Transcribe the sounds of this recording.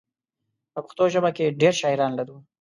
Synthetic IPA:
pəpəxt̪oʒəbakeɖeɾʃɑɪɾɑnlaɾu

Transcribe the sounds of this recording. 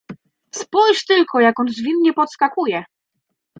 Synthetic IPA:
spɔjʂt̪ɘlkʰɔjakɔnzvʲinɲɛpɔt̪skakujɛ

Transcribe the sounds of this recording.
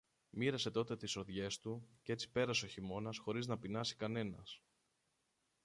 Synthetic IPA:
miɾɐse̞t̪o̞t̪e̞t̪iso̞ðʝe̞st̪ucee̞t͡si̥pe̞ɾɐso̞çimo̞nɐsxo̞ɾiznɐpinɐsi̥kɐne̞nɐs

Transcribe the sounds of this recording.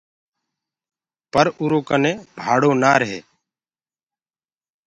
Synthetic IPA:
pəɾʊːɾoːkənẽːbʱaːɽoːnaːɾəɦḛː

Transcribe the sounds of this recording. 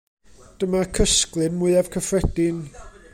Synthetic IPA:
d̥əmakʰəsklˠɨnmʊɨav̥kʰəfrɛdɪn

